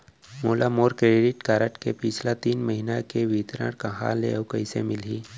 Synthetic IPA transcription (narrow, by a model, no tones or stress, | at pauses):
molamoɾkɾeɖiʈkaɾəʈkepit͡ʃʰlat̪iːnməɦinakeʋit̪ɾə̰ɽkəɦa̰lḛəwkəjsḛmilɦiː